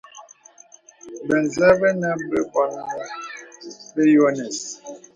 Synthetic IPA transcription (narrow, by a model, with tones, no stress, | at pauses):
bə˨n˨za˦bə˦na˦bə˦kɔ˦n˦ | be˦jo˦nɛ˨s